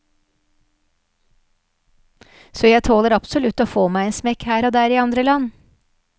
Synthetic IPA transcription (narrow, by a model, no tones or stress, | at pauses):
soːjæɪt̪ʰoːləɾɑpsʊlʉt̪ːoːfoːmæɪeːnsmɛkhæːɾoːd̪æːɾiːɑnd̪ɾəlɑn